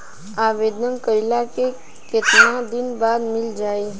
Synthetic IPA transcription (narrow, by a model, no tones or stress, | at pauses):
aːʋeːd̪nəŋkəjlake | ket̪nãd̪ɪnbaːd̪mɪld͡ʒaːe